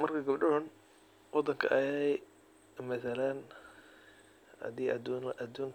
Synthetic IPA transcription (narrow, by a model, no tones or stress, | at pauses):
mɐrkʰɐɡɐbɖʊɦʊn | wɑd̪ɐŋkʰɐʔɐjɛj | mɐθɐlɐn | ɐ̰d̪iːʔɐd̪uːŋk